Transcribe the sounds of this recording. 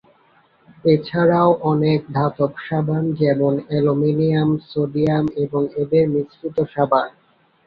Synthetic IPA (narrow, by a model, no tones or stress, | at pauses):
et͡ɕʰaɾaoʔɔnek̚d̪ʱat̪opʃabʱand͡ʑɛmonɛlominijamsoɖiameboŋed̪eɾnisit̪oʃabʱan